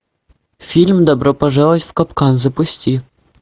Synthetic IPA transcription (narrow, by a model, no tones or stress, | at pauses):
fʲilʲmd̪ɐbɾopɐʐɑlˠətʲfkɐpkɑnzɐpusʲtʲi